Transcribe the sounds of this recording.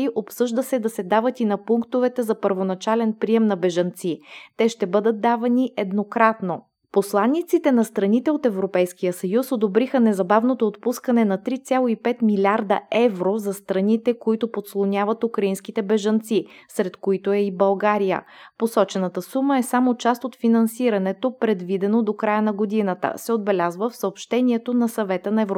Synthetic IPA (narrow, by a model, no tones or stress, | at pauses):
iʔopsɤʒd̪əsɛd̪ɐsɛd̪avət̪inɐpuŋkt̪ovɛt̪ɛzɐpəɾvonɐt͡ʃalɛnpɾiɛmnɐbɛʒɐnt̪sit̪ɛʃt̪ɛbɤd̪ət̪̚d̪avɐniʔɛd̪nokɾat̪no | poslˠanːit̪sit̪ɛnɐst̪ɾɐnit̪ɛot̪ɛvɾopɛjskijəsɐjusod̪obɾixənɛzɐbavnot̪oːt̪puskɐnɛnɐt̪ɾit̪sʲjalˠoipɛt̪milʲaɾd̪ɐ̰ɛvɾozɐst̪ɾɐnit̪ɛkoit̪opot̪slˠonʲavɐt̪ukɾɐinskit̪ɛbɛʒɐnt̪sisɾɛt̪koit̪oɛibɐlˠɡaɾijə̰posɔt͡ʃɛnət̪əsuməɛsamot͡ʃast̪ot̪finɐnsiɾɐnɛt̪opɾɛd̪vid̪ɛnod̪okɾajənɐɡod̪inət̪ə̰sɛod̪̚bɛlʲazvəfsəopʃt̪ɛniɛt̪onɐsɐvɛt̪ənɐɛvɾ